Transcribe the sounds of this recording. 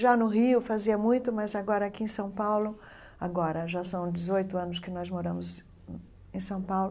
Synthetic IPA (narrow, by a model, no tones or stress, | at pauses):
ʒanʊɦiʊfaziɐmũj̃t̪ʊmɐzaɡɔɾɐakiẽj̃sɐ̃w̃pawlʊ | aɡɔɾɐʒasɐ̃w̃d͡ʒɪzojt̪ʊɐ̃nʊskɪnɔzmoɾɐ̃mʊz | ẽj̃sɐ̃w̃pawlʊ